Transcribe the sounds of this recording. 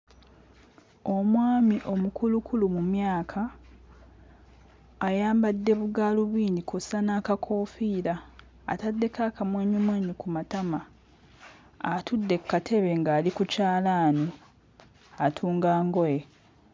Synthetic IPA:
o̞mwaːmiʔo̞mukʰulukʰulumumjaːkʰa | jaːmbadːe̞βuɡaːluβiːndikʰosanaːkakʰo̞ːfiːɾa̰ː | tadːe̞kakamweːɲumweːɲikumatama | atʰudːe̞kːatʰe̞βe̞ŋɡaːlikucaːlaːni | atʰuːŋɡaːŋɡoje̞

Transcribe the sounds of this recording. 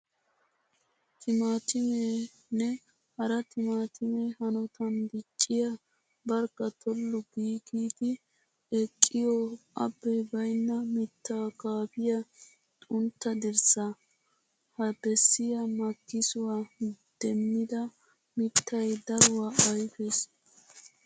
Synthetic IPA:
t̪ʰɪmaːt̪ɪme | nɛ | hɐɾɐt̪ɪmaːt̪ʰɪmɛhɐnɔt̪ʰɐnd̪ɪt͡ʃʼːɪjɐ | bɐɾkːɐt̪ʰɔlːʊɡiːkiːd̪ɪ | ɛkʼːɪjɔɐ̰bːɛjbɐjnːɐmɪt̪ːaːkaːfɪjɐ | t̪ʼʊnt̪ːɐd̪ɪɾsɐ | hɐbɛsːɪjɐmɐkːɪsʊwaːd̪̥ɛmːɪd̪ɐ | mɪt̪ːɐjd̪ɐɾʊwaːɐjfes

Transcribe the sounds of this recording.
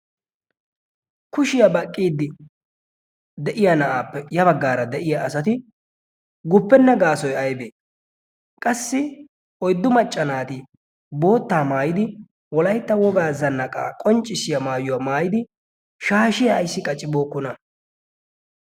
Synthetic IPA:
kʊʃɪjɐbɐkʼːiːd̪ːɪ | d̪ɛʔɪjanɐʔaːpːɛjɐbɐɡːaːɾɐd̪ɛʔɪjɐʔɐsɐt̪ɪ | ɡʊpːɛnːɛɡaːsɔjɐjbeː | kʼɐsːɪ | ɔjd̪ːʊmɐt͡ʃʼːɐnaːt̪ɪ | bo̞ːt̪ːaːmaːjɪd̪ɪ | wɔlɐjt̪ːɐwɔɡaːzɐnːɐkʼa̰ːkʼɔnt͡ʃʼːɪsɪjɐmaːjʊwaːmaːjɪd̪ɪ | ʃaːʃɪjɐːjsːɪkʼɐt͡ʃʼːɪbo̞ːkːɔnɐ

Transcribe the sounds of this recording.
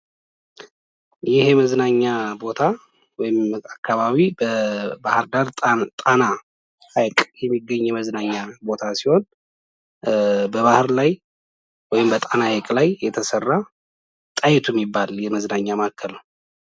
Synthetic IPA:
jɪheməznaɲːabo̞t̪ʰa | wɔjɪmakʰːaβaβibəbahɨɾd̪aɾt̪ʼana | ajkʼjɛmːiɡːəɲːjɛməznaɲːabo̞t̪ʰasiho̞n | bəβahɨɾlaj | wɔjɪmbət̪ʼanahakʼlajːɛt̪ʰəsərːa | t̪ʼajɪt̪ʰuɛmːibːaljɛməznaɲːamakʰːəl

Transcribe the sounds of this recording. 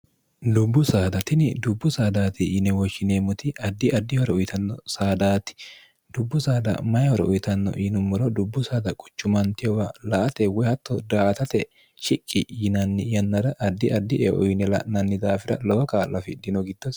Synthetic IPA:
d̪ʊbːʊsaːd̪ɐt̪ɪnɪd̪ʊbːʊsaːd̪aːt̪ɪiːnɛwɔʃːɪneːmʊt̪ɪʔɐd̪ːɪʔɐd̪ːɪhɔɾɛʊjt̪ɐnːɔsaːd̪aːt̪ɪ̥ | d̪̥ʊbːʊsaːd̪ɐ̰mɐjɐhɔɾɛʊjt̪ɐnːɔ̰ʔiːnʊmːɔɾɔd̪ʊbːʊsaːd̪ɐkʼʊ̥t͡ʃːʊmɐnt̪ɪjɔwɐlɐʔɐt̪ɛwɔhɐt̪ːɔd̪aːt̪ɐt̪ɛ | ʃɪkʼːɪjɪnɐnːɪjɐnːɐd̪ɐʔɐd̪ːɪʔɐd̪ːɪʔɛʔɔjnɛlɐ̰ʔnɐnːɪd̪aːfɪɾɐ̰lɔwɐkaːlːɐfɪd̪ɪnɔɡɪd̪ːɔs

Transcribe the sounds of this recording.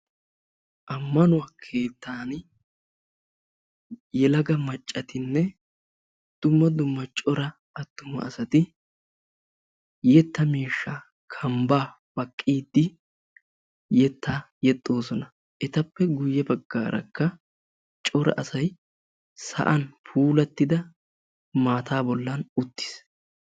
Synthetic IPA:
ʔɐmːɐnʊwaːkʰe̞ːt̪ːaːn | jɛlɐɡɐmɐt͡ʃʼːɐt̪ɪnːɛ | d̪̥ʊmːɐd̪ʊmːɐt͡ʃʼɔɾɐ | ɐt̪ːʊmɐ̰ɐsɐt̪ɪ | jɛt̪ːɐmiːʃːa | kʰɐmbaː | b̥ɐkʼːiːd̪ːɪ | jɛt̪ʰːaː | jɛt̪ʼːo̞ːsɔnɐ | ʔɛt̪ɐpːɛɡʊjːɛbɐɡːa̰ːɾɐ̰kːɐ | t͡ʃʼɔɾɐ̰ʔɐsɐj | sɐ̰ʔɐnpʰuːlɐt̪ːɪd̪ɐ | maːt̪ʰaːbɔlːɐnʊt̪ːɪ̥s

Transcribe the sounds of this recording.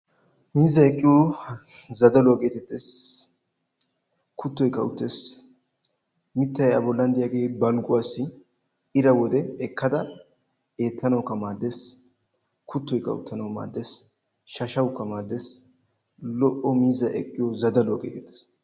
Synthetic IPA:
miːzɐɛkʼːɪjo | zɐd̪ɐlɔkʼeːt̪ɛt̪ʼːeːs | kʰʊt̪ːɔjkːɐʊt̪ːes | mɪt̪ːɐjɐbɔlːɐnd̪ɪjaːɡe̞ːbɐlɡʊwaːsːɪ | ɪɾɐwɔd̪ɛɛkːɐd̪ɐ | e̞ːt̪ːɐnɐwkɐmaːd̪ːes | kʰʊt̪ːɔjkːɐ̰ʊ̰t̪ːɐnɐwma̰ːd̪ːes | ʃɐʃɐwkːɐmaːd̪ːes | lɔʔɔmiːzɐʔɛkʼːɪjozɐd̪ɐlɔːkʼḛːt̪ɛt̪ːe̥ːs

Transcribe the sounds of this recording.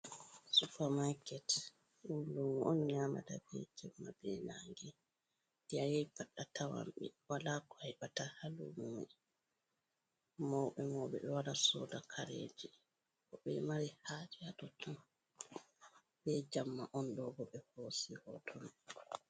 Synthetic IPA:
supamakɛt | udumɔnɲaːma̰dabɛ̰d͡ʒamːabɛna̰ŋɡɛ | d̥iajɛjpaɗːatʰawa̰mɓḭwalakɔajbatahalumumɛ | mɔwɓɛmɔwɓɛ̰ɓɛwaɾasɔːdakʰaɾḛːd͡ʒi | kɔɓɛmaɾihaːd͡ʒiatɔtɔn | bɛd͡ʒamːaʔɔndɔɡɔɓɛhoːsihɔtʰɔn

